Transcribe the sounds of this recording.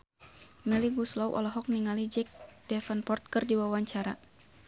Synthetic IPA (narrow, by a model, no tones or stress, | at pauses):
ŋəliɡuslɔwʔɔ̰lɔɦɔk̚niŋalid͡ʒɛk̚d̥ɛfanpɔrt̪̚kərdiwawaɲt͡ʃaɾa